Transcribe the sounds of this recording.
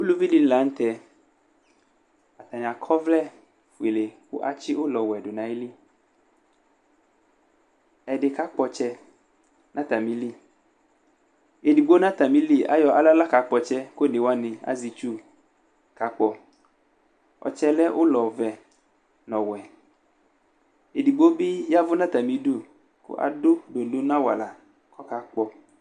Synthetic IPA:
wu˦lu˦vi˦li˦n˦la˨˦ŋ̩˦t̪ɛ˨ | a˨t̪a˨ɲ˨ã˨kʰɔ˦vlɛ˦ | fu˨e˨le˨wo̰˦ʔa̰˦t͡ʃi˦wʔo˦lɔ˨wɛ˨ɖo˨nã˨i˦li˦ | ɛ˨ɖe˨ka˦k͡pɔ˨t͡ʃɛ˦ | nã˦t̪a˨mĩ˦li˦ | e˨di˨ɡ͡bo˦nã˦t̪a˨mĩ˦li˦a̰˦jɔ˨ʔa˨la˦la˦ka˨k͡pɔ˨t͡ʃɛ˦ko˦˨ne˨wa˦nɪ̃˨a̰˦zi˨t͡ʃu˦ | ka˨˦k͡pɔ˨ | ɔ̰˨t͡ʃɛ˦lɛ˦ʔʊ˦lɔ˨vɛ˨ | nɔ̃˨wɛ˨ | e˨di˨ɡ͡bo˦bɪ˦ja˦vʊ˦nã˦t̪a˨mĩ˨˦du˦˨ | kʊ̰˦ʔa̰˨dʊ˦do˨lo˦nã˦wa˨la˨ | kʰɔ˦ka˨k͡pɔ˨

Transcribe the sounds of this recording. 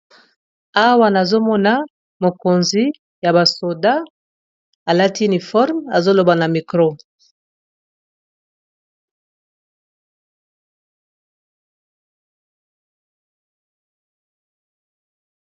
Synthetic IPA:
a˦wa˦na˨zo˦mɔ˦na˦ | mo˨ko˨nzi˦ | ja˨ba˨so˨da˦ | a˨la˦ti˦u˦ni˨fɔ˦ʁma˨zo˦lo˨ba˨na˨mi˨kʁo˦

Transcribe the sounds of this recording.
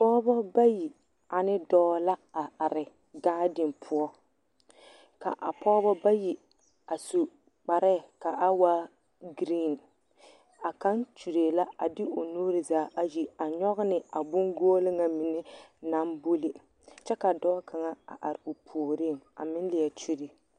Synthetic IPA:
pɔː˦bɔ˦ba˦ji˨ | a˨nɪ˦dɔː˦la˦a˨ʔa˨ɾɪ˨ | ɡaː˦dɪ˨mpʰʊ˦ɔ˦ | ka̰˨ʔa˨pɔː˦bɔ˦ba˦ji˨ | a˨so˨ | k͡pa˨ɾɛ˦˨ka˨ʔa˦wa˦ | ɡɾiː˦˨n | a˨ka˦nt͡ʃu˨ɾe˨la˦a̰˨dɪ˦ʔʊ˨nuː˦ɾɪ˨zaː˦ʔa˦ji˨a˨ɲɔ˦ɣɪ˦nɪ˨a˨bʊ˦ŋɡoː˦lɪ˦ŋa˨mɪ˨nɪ˦na˦mbu˦li˨ | t͡ʃɛ˦ka˨dɔː˦kʰa˨ŋa˦a̰˨ʔa˨ɾɪ˨o˨pʰoː˨ɾi˦˨ŋa̰˨mɪ˦n˦lɪ˨ɛ˨t͡ʃu˦ɾi˨

